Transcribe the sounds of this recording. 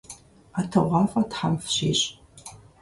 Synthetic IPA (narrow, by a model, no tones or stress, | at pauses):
atʰɨʁʷɑːfatħamfɕḭːɕʼ